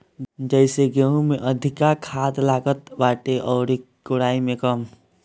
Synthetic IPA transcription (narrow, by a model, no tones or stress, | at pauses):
d͡ʒəɪseɡeũmẽʔəd̪ʱɪkakʰaːt̪laːɡət̪baːʈeʔɔːɾi | kʊɽaːimẽkəm